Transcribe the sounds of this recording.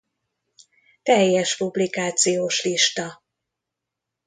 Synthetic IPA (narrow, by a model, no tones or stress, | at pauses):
t̪ɛjːɛʃpublikaːt̪sijoːʃliʃt̪ɒ